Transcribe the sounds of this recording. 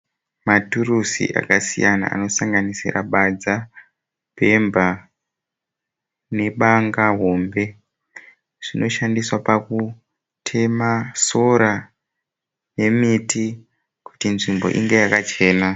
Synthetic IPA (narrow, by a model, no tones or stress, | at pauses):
maturusḭʔa̰kasḭjana̰a̰no̞saŋɡanisḭra̰ɓad͡za | pe̞mba | ne̞ɓaŋɡaɦo̞ːmbe̞ | ʐ̥ino̞ʃandiswapaku | tʰe̞maso̞ɾa | ne̞miti | ku̥tinʐimbo̞̰ʔiŋɡe̞jakat͡ʃe̞ːna